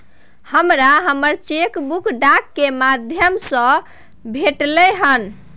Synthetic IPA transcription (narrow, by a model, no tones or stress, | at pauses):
həmɾaɦəməɾt͡ʃekbukʰɖakːemad̪ʱjəmsə̃ | bʱeʈlɛɦən